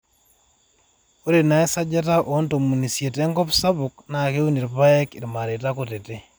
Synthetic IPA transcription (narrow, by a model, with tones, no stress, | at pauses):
o˦ɾe˨na˨˦e˦sa˦d͡ʒa˦ta˦ʔo˦nto˨mu˨ni˨sje˨te˦ŋɡɔ˦psa˦βʊkna˨ke˦u˦ni˨ɾpa˦ɛ˦kɪ˨rma˨ɾe˨ta˦kote˨te˦